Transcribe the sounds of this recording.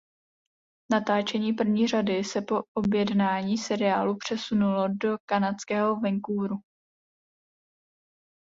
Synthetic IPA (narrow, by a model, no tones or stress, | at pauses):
nat̪aːt͡ʃɛɲiːp̬r̩vɲiːr̝adɪsɛpo̞ʔobjɛdnaːɲiːsɛɾɪaːlupr̝̥ɛsunulodo̞kanat͡skɛːɦo̞vɛŋkuːɾu